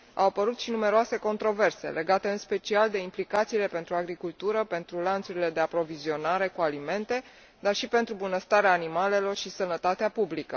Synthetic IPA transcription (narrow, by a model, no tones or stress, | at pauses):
a̰wapəɾut̪ʃinume̞ɾoase̞ko̞nt̪ɾo̞ve̞rse̞̰lʔe̞ɡat̪e̞ɨnspe̞t͡ʃiald̪e̞implikat̪siːle̞pe̞nt̪ɾuaɡɾikult̪uɾəpe̞nt̪ɾulant̪suɾile̞d̪e̞apɾo̞vizio̞naɾe̞kualime̞nt̪e̞ | d̪arʃipe̞nt̪ɾubunəst̪aɾeaːnimale̞lo̞rʃisənət̪at̪eapublikə